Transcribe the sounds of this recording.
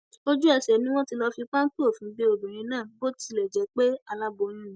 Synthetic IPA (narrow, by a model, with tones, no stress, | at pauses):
o˦d͡ʒu˦ɛ˧ʃɛ˨nĩ˦w̃ɔ̃˦ti˧lɔ˧fi˧k͡pa˦ŋ̩˦tu˦o˦˨fĩ˨˦be˧o˨dũ˨ɾ̃ĩ˨˧˦nãː˦˨bo˦ti˧lɛ˨d͡ʒɛ˨˦k͡pe˦a˧la˦bo˧ñĩ˦